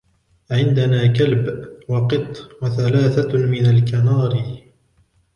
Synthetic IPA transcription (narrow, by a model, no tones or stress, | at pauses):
ʕɪnd̪anaːkalbwɑqɨt̪ˤːwaθalaːθamɪnalkanɑːɾ